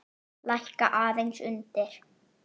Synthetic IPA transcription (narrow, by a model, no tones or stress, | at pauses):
lajhkaʔaːðejnsʏnt̪ɪɾ̥